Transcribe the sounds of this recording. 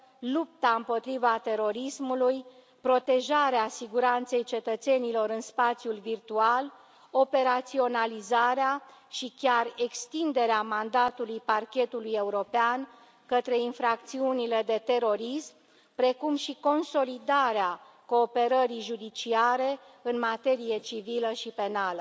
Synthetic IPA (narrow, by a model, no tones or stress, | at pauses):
lup̚t̪aɨmpo̞t̪ɾivat̪e̞ɾo̞ɾismuluj | pɾo̞t̪e̞ʒaɾeasiɡuɾant̪se̞jt͡ʃe̞t̪ət̪se̞nilo̞ɾɨnspat̪sjulvirt̪ual | o̞pe̞ɾat̪sio̞nalizaɾeaʃikʲare̞kst̪ind̪e̞ɾeamand̪at̪ulujparkʲe̞t̪uluje̞uɾo̞pean | kət̪ɾe̞infɾak̚t̪siunile̞d̪e̞t̪e̞ɾo̞ɾism | pɾe̞kumʃiko̞nso̞lid̪aɾea | ko̞ːpe̞ɾəɾijʒud̪it͡ʃiaɾe̞ | ɨnmat̪e̞ɾije̞t͡ʃiviləʃipe̞nalə